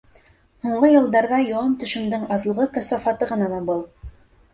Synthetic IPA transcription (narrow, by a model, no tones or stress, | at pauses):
huɴɢɤjɤ̆lˠd̪ɑɾðɑjowɑmt̪ɵ̆ʃɘ̆md̪ɘŋɑðɤ̆lˠʁɤkæsɑfɑt̪ɤʁɤ̆nɑmɑbɤlˠ